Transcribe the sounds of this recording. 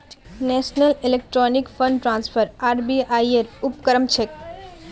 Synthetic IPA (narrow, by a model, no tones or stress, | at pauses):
nesnəlilek̚ʈɾonikfəɳɖʈɾãnsfʰəɾaːɾbiaieɾupkəɾəmt͡ʃʰek